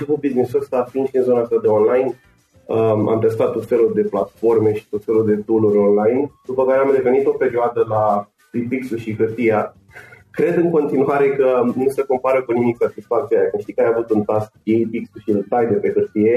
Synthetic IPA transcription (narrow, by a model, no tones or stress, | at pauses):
iput̪̚biznisokst̪ap̪inʃinzo̞nast̪ad̪e̞o̞nlajn | əa̰mt̪est̪at̪ːo̞t̪fe̞lud̪e̞plat̪fo̞rme̞ʃi̥t̪o̞t̪fe̞luld̪e̞t̪uluɾʲo̞nlajnd̪̥upəkaɾeamre̞ve̞nit̪o̞pe̞ɾioad̪əla | t̪ɾipiksuʃixɨrt̪ija | kɾe̞d̪ɨŋko̞nt̪inuaɾe̞kənusəko̞mpaɾəkunimikat̪ispat̪siajakɨmʃt̪ikajavut̪unt̪ask̚ejpiksuʃilt̪ajd̪e̞pe̞hɨrt̪ije̞